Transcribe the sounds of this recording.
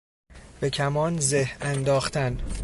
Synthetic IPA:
b̥e̞cʲʰæmɒːnzehænd̪ɒːxt̪æn

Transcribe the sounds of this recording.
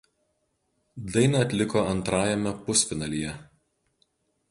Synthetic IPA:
d̪ɐɪnɐɐt̪ʲlʲɪkoːɐnt̪ɾɑːjɛmʲɛpʊsʲpʲɪnɐlʲijɛ

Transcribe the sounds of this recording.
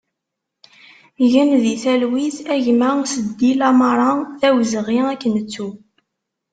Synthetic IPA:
ʝənðiθælwiθæʝmæsəd̪ːilɑmɾˤɑθæwzəʁiækːənət͡sːu

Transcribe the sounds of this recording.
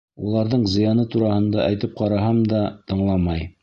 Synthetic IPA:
ulˠɑɾðɤɴzɤ̆jɑnɤt̪uɾɑhɤ̆nd̪ɑʔæjt̪ɘp̚qɑɾɑɦɑmd̪ɑt̪ɤ̆ɴlˠɑmɑj

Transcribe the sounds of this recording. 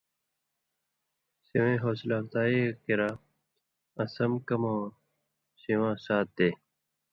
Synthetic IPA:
siwẽːɦoːslaːft̪aːikiɾaː | ɐsɐmkɐmõː | siwãːsaːt̪̚ːeː

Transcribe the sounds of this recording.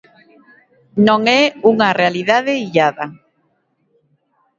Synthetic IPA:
nõŋɛuŋarealiðaðeiʎaða

